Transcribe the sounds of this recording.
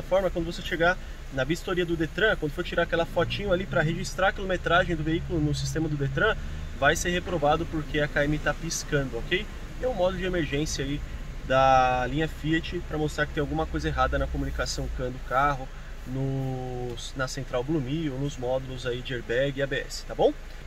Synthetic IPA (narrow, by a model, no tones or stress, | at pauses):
ɐfɔɾmɐkwɐ̃d̪ʊvos̬eʃeɡa | nɐbist̪oɾiɐd̪ʊd̪et̪ɾɐ̃kwɐ̃d̪ʊfoɾt͡ʃiɾaɾakɛlɐfɔt͡ʃĩɲʊ̃alipɾɐɦeʒist̪ɾaɾɐkilomet̪ɾaʒẽj̃d̪ʊveikʊlʊnʊsi̥st̪ẽmɐd̪ʊd̪et̪ɾɐ̃ | vajseɾɦepɾovad̪ʊpoɾkeɐkaemit̪apiskɐ̃d̪ʊɔkej | ɛʊ̃mɔd̪ʊlʊd͡ʒɪemeɾʒẽsiɐai | d̪ɐlĩɲɐfiɐt͡ʃɪpɾɐmost̪ɾaɾkɪt̪ẽj̃awɡũmɐkojzɐeɦad̪ɐnɐkomũnikasɐ̃w̃kɐ̃d̪ʊkaɦʊ | nʊ | snɐsẽnt̪ɾawblumionʊzmɔd̪ʊlʊzaid͡ʒɪeɾbɛɡɪabeɛ̰sɪ̥t̪abõw̃